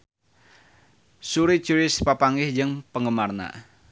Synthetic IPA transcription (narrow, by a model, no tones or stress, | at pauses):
suɾi̥t͡ʃuɾɪspapaŋɪhd͡ʒɨŋpəŋɡəmarna̰